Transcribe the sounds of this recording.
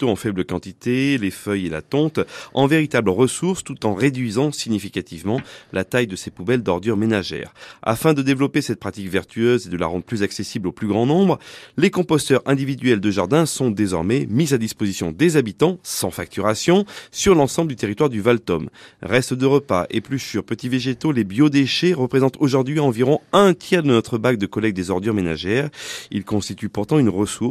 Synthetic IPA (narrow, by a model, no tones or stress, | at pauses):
t̪oɑ̃fɛbləkɑ̃t̪it̪elefœjela̰t̪ɔ̃t̪ɑ̃veʁit̪abləʁəsuʁst̪ut̪ɑ̃ʁed̪ɥizɑ̃siɲifikat̪ivmɑ̃lat̪ajd̪əsepubɛld̪ɔʁd̪yʁmenaʒɛ̰ːʁa̰fɛ̃d̪əd̪evlɔpesɛt̪̚pχat̪ikvɛʁt̪ʰyøzed̪əla̰ʁɑ̃d̪ʁəplyzaksesibloplyɡʁɑ̃nɔ̃bʁlekɔ̃pɔst̪œʁɛ̃d̪ivid̪ɥɛld̪əʒaʁd̪ɛ̃sɔ̃d̪ezɔʁmɛmizad̪ispozisjɔ̃d̪ezabit̪ɑ̃sɑ̃fak̚t̪yʁasjɔ̃syʁlɑ̃sɑ̃bləd̪yt̪eʁit̪waʁd̪yvalt̪ɔmʁɛst̪d̪əʁəpa̰ʔḛplyʃyʁpət̪iveʒet̪olebjod̪eʃeʁəpχezɑ̃t̪ʰoʒuʁd̪ɥiɑ̃viʁɔ̃ɛ̃t̪jɛʁd̪ənɔt̪χəbak̚d̪əkɔlɛk̚d̪ezɔʁd̪yʁmena̰ʒɛʁḭlkɔ̃st̪it̪ypuʁt̪ɑ̃ynʁəsu